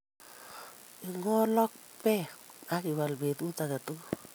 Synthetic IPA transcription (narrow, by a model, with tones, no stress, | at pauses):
iŋɔ˦lɔ˦k̚ | pɛa˦kiwa˨lbe˨t̪u˦taka˨tu